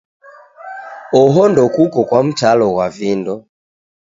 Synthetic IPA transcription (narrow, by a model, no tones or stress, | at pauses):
ɔɦɔndɔkukɔkwam̩talɔwavindɔ